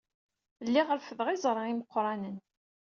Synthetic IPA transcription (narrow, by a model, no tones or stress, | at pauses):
lːiʁəɾfəðʁizˤɾˤɑiməqːɾˤɑnən